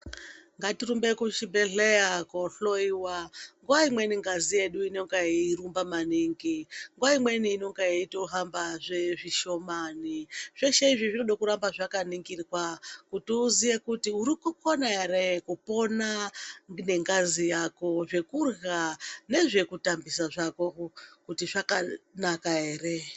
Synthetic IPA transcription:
ŋɡatirumbe̞kut͡ʃibeɮejakoɬoiwaŋɡuwaimwe̞niŋɡazije̞ɗuino̞ŋɡaiirumbamaniŋɡiŋɡuwaimwe̞niːno̞ŋɡaiitoɦambaʐeʐiʃo̞maniʐ̥eʃeiʐiʐinoɗakuɾambaʐakaniŋɡiriwakutiuzijekutiuɾikuko̞naeɾekupo̞nane̞ŋɡazijako̞ʐe̞kurɣane̞ʐe̞kutambisaʐako̞kutiʐakanakaɦeːre

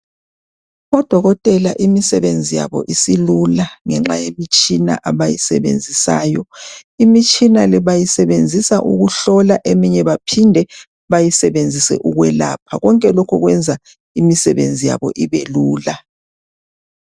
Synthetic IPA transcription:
ɔd̥ʱɔɣɔtʼɛlaʔimisɛβend͡zʱija̰βɔ̰ʔisilulaŋɛŋ͡ǁajemit͡ʃʼina̰ʔaβajisɛ̰βḛnd͡zʱisaːjɔimit͡ʃʼinalɛβajisɛβend͡zʱisaʔṵɣuɬɔlaʔemiɲɛβapʰindʱɛ | βajisɛβend͡zʱisɛ̰ʔuɣwɛla̰ːpʰaɣɔŋkʼɛlɔkʰɔɣwɛnd͡zʱa | imisɛβend͡zʱija̰βɔ̰ʔiβeluːla

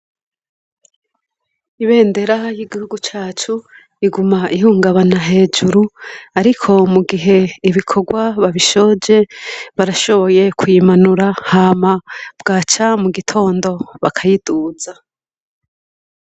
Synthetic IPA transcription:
iβe̞ːnde̞ɾajiɡihuɡut͡ʃaːt͡ʃu | iɡumaʔiɦuːŋɡaβanaɦe̞ːd͡ʒuɾuaɾikʰo̞muɡiɦe̞iβikʰo̞ɡwaβaβiʃo̞ːd͡ʒe̞βaɾaʃo̞βo̞je̞kʰujimanuɾahaːmab̥ɡaːt͡ʃamuɡitʰo̞ːndo̞βakʰajiduːz̥a

